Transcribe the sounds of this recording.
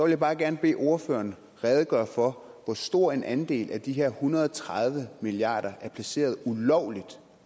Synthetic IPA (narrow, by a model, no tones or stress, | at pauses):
sɒʋeljäbɑ̈ːɡ̥æɐnəb̥e̝̰ːʔo̝ɐfø̰ːɐn | ʁɛð̞ˠəɡ̥ɶɐ̰fɒ̽ʋɒsd̥o̝ɐ̰e̝nʔænd̥e̝̰ːlʔæd̥iɦe̝ɐ̰hunɐðˠt͡sʰʁað̞ˠʋəmiliɑ̰̈ːɾ̥ɐʔæɐpʰlæse̝̰ːɐð̞̩ˠulɒʊ̰lid̥